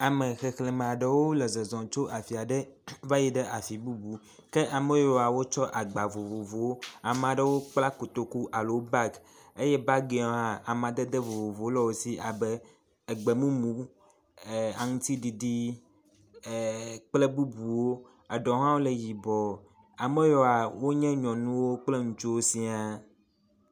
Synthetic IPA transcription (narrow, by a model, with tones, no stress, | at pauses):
a˨mẽ˨xe˨xle˨me˨a˨ɖe˨wo˦le˨ze˨zɔ̃˨t͡ʃo˦ʔa˨fi˨a˨ɖe˦va˦ji˨ɖe˦ʔa˨fi˨bu˦bu˨ | ke˦ʔa˨me˦jo˨a˨wo˦t͡ʃɔ˦ʔa˨ɡ͡ba˨vo˨vo˨vo˨wo˦a˨m˨a˨ɖə˦wo˦k͡pla˦ko˨t̪o˨ku˦ʔa˨lo˨wo˦ba˦ɡ | e˦jɛ˦ba˦ɡe˨ɔ̃˨ɦa˨a˨mã˨d̪e˦d̪e˦vo˨vo˨vo˨˦lɔ˦wo˨si˦ʔa˨be˦ | e˨ɡ͡be˨mũ˦mũ˨˦˨ | a˨ŋũ˦t̪i˦ɖi˨ɖi˦˨ | k͡ple˦bu˦bu˨wo˦ | a˨ɖɔ̃˨ɦã˦wo˦le˨ji˨bɔ˨ | a˨me˦jɔ˨a˨wo˦ɲɛ̃˦ɲɔ̃˨nũ˦wo˦k͡ple˦ŋũ˨t͡ʃo˦wo˦si˦a˦